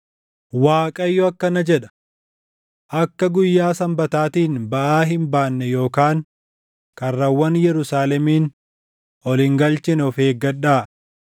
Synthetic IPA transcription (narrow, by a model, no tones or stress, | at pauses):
waːkʼɐjːɔɐkːɐnɐd͡ʒɛᶑɐ̥ | ʔɐkːɐɡʊjːaːsɐmbɐt̪aːt̪iːnbɐʔaːɦɪmbaːnːɛjo̞ːkaːŋ | kɐrːɐwːɐnjɛɾʊsaːlɛmiːn | ʔɔlɪŋɡɐlt͡ʃɪnɔfeːɡɐɗːaː